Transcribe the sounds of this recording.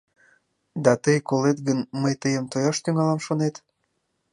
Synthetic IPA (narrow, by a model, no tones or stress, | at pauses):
d̪ɑt̪əjkolet̪ɡənməjt̪əjəmt̪ojɑʃt̪yŋɑlɑmʃonet̪